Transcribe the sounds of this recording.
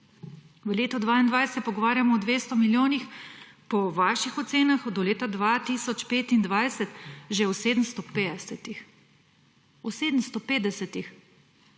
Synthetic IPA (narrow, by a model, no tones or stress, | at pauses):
ʋəleːt̪ɔd̪ʋaind̪ʋajsɛt̪t̪̚pɔɡɔʋaːɾjamɔːd̪ʋeːst̪ɔmiljoːnixpɔʋaːʃixɔt̪seːnaxd̪ɔleːt̪ad̪ʋat̪isɔt͡ʃpeːt̪ind̪ʋajsɛt̪ʒɛɔseːd̪əm̩st̪ɔet̪ix | ɔseːd̪əmst̪ɔpeːd̪ɛsɛt̪ix